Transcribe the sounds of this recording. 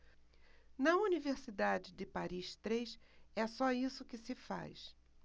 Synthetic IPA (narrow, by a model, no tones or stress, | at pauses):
nɐuniveɾsid̪ad͡ʒɪdɪpaɾiʃt̪ɾejʃɛsɔisʊkɪsɪfa̰js